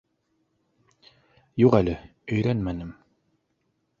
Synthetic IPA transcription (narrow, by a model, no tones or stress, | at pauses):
juqælɘɵ̆jɾænmænɘm